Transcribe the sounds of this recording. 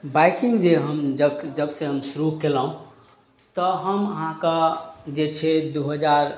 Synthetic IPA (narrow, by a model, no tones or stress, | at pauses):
bajkiŋɡd͡ʒeɦəmd͡ʒəd͡ʒəbseɦəmsuɾukelaũ | t̪ɔɦəməɦãkad͡ʒet͡ʃʰed̪uɦəd͡ʒaɾ